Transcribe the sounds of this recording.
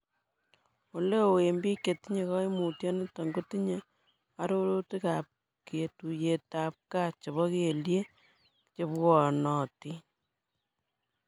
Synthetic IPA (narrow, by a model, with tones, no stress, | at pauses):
o˨le˦o˨we˨mbi˦ke˨ti˦ɲe˨kɔ˦i˦mu˨tjɔ˦ne˦ta˨ŋɡo˦ti˦ɲe | a˦ɾo˦ɾo˦ti˦ka˨p̚ | ke˨tu˨je˨ta˨p̚ka˦t͡ʃe˨βɔ˦ke˨lje˦ | t͡ʃe˦pwɔ˨nɔ˨ti˦